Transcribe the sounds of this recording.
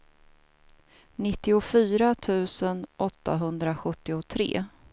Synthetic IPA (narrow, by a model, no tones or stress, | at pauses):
nɪt̪ːɪʊfyːɾat̪ʰʉ̟ːsənʔɔt̪ːa̰ɦɵnd̪ɾaɧɵt̪ːɪʊt̪ʰɾḛː